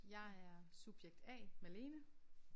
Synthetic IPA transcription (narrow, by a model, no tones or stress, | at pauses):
jɑ̈ɪæɐsub̥jeɡ̥̚d̥ɛ̰ːmele̝ːnə